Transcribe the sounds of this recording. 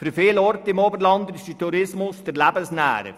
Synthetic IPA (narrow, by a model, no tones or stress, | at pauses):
fyɾfiːlɔɾtɪmoːbəɾlɑndɪstətʰuɾɪsmʊsd̥ɛɾlæbəsnæ̰ːɾə̰